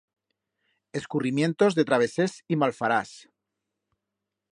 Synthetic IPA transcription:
e̞skurimje̞nt̪o̞zðe̞t̪ɾaβ̞e̞sesimalfaɾas

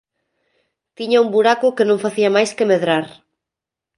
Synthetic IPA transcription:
t̪iɲaumbuɾakʊkenõŋfaθiamajskemeðɾaɾ

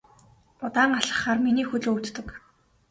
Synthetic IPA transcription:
ʊt̪aːŋɢaɮə̥̆χaːrminiːxɵɮut̪t̪ɵ̆k

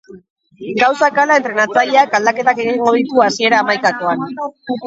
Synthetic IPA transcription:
ɡawsakalae̞nt̪ɾe̞nat͡saʎeakald̪ake̞t̪ake̞ɣiŋɡo̞ðit̪uasie̞ɾaːmajkako̞an

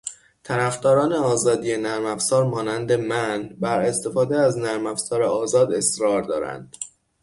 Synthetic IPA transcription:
t̪ʰæɾæfd̪ɒːɾɒːneɒːzɒːd̪ijenæɾmæfzɒːɾmɒːnænd̪e̞mænbæɾe̞st̪e̞fɒːd̪eæznæɾmæfzɒːɾeɒːzɒːd̪e̞sɾɒːɾd̪ɒ̰ːɾæ̰nd̪̥

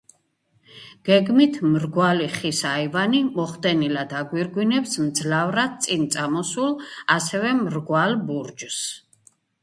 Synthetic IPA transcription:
ɡ̥ɛɡmit̪ʰmɾɡwaliχisaivanimɔχd̪ɛnilad̪aɡwiɾɡwinɛpsmd̪zlavɾad̪̚t̪sʼint̪sʼamɔsulˠasɛvɛmɾɡwalbuɾd͡ʒs

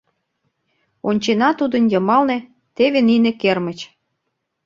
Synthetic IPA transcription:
onʲt͡ɕenɑt̪ud̪ə̆njɤmɑlnĕ | t̪eβeninekermə̆t͡ɕ

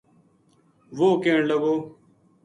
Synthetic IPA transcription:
ʋoːkeːɳləɡoː

